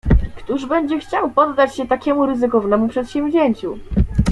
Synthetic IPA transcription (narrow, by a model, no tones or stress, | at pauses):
kt̪uʐbɛɲd͡ʑɛxt͡ɕawpɔd̪ːat͡ɕɕɛt̪akʲɛmuɾɘzɘkɔvnɛmupʂɛt̪ɕɛ̃mʲʑʲeɲt͡ɕu